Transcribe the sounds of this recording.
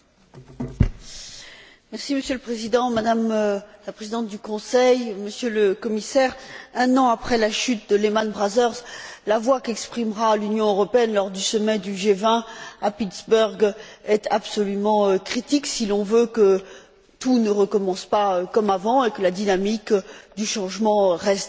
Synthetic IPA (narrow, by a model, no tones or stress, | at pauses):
mɛʁsiməsjøləpχezid̪ɑ̃mad̪amlapχezid̪ɑ̃t̪̚d̪ykɔ̃sɛjməsjøləkɔmisɛʁɛ̃nɑ̃apχɛlaʃyt̪̚d̪əlemanbʁazœʁzlavwakɛkspχimʁalynjɔ̃øʁɔpeɛnlɔʁd̪ysɔmɛd̪yʒevɛ̃apit̪sbœʁɡɛt̪apsɔlymɑ̃økχit̪iksilɔ̃vøkə | t̪unəʁəkɔmɑ̃spaøkɔmavɑ̃ekəlad̪inamikd̪yʃɑ̃ʒmɑ̃ʁɛst̪